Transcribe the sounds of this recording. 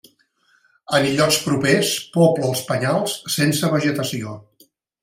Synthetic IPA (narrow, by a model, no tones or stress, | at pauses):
ənʎɔkspɾupespɔpləːlˠspəɲalˠsːensəβəʒət̪əsio